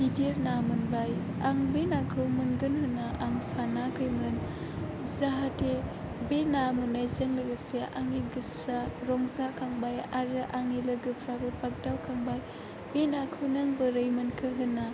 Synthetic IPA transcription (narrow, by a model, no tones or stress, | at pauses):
hideɾnamɯnbaj | a̰ŋbenakʰɯwmɯnɡɯnɦɯnːaʔaŋsanakʰɯjmɯn | zaɦatʰe | benamɯnajzeŋlɯɡɯseʔaŋiɡɯsaɾɔŋzakʰaŋbajaɾɯʔaŋilɯɡɯpʰɾabɯpak̚dawkʰaŋbaj | benakʰɯwnaŋbɯɾɯjmɯnkʰɯɦɯnːa